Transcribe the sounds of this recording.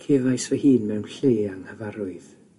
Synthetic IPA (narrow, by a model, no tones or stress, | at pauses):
kʰeːvajsvɛhiːnmɛwnɬeːaŋhəvaɾʊɨð